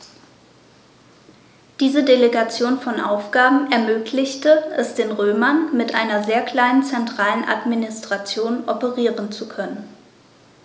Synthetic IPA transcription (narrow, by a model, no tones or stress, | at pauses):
d̥iːzədeleɡat͡sjoːnfɔnʔa̰ʊfɡ̥aːbm̩ʔɛɐmøːklɪçtəʔɛsd̥eːnʁøːmɐnmɪtʔaɪnɐzeːɐkl̥aɪnənt͡sɛntʁ̥aːlənʔa̰tminɪstʁ̥at͡sjoːnʔɔpəʁiːʁənt͡sukʰœnən